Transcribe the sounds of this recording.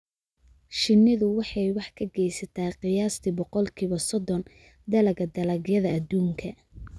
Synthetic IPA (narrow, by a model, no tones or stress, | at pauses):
ʃɪnːɪðʊwɑħɑjwɑħkʰɐɡɛjsɐt̪ʰaːqɪjaːst̪ʰɪbɔqɔlkʰiːβɐsɔd̪ɔn | d̪ɐlɐɣɐd̪ɐlɐɡjɐðɐːd̪uːŋkʰɐ